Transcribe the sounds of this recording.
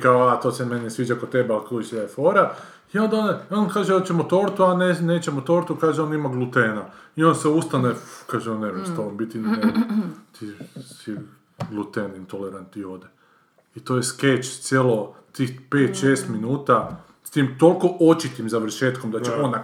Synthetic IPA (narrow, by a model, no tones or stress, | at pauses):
kaoat̪o̞ːsemenesʋiːd͡ʒakot̪t̪ebealkoisd̪afoːɾa | iond̪ono̞nkaːʒeot͡ʃemot̪oːɾt̪uaneneːt͡ʃemot̪o̞ːɾt̪ukaːʒeonimaɡlˠut̪eːnaio̞nseust̪anekaːʒeonnemust̪alombit̪inet̪ii | ɡlˠut̪enint̪oleɾant̪io̞d̪e | it̪ojesket͡ʃst̪sʲjelo | t̪ixpeːt̪ʃeːst̪minuːt̪a | st̪imt̪o̞lko̞ʔot͡ʃit̪imzaʋɾr̩ʃeːt̪komd̪at͡ʃeon